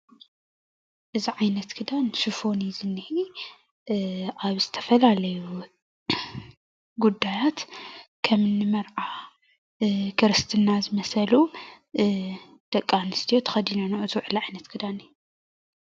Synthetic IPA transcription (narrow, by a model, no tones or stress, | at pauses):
ʔɨziʕajnɐt̪kʰɨd̪ansufo̞nizɨnːɨhi | ʔaβzɨt̪ʰɐ̥fɐlalɐju | ɡud̪ːajat̪kʰɐmɨnːɨmɐɾʕa | kʰɨɾɨst̪ʰɨnazɨmɐsɐlu | d̪̥ɐkʼːanɨst̪ʰijot̪ʰɐ̥xɐd̪inanɐʔɨzuwʕɨlʕajnɐt̪kʰɨd̪ani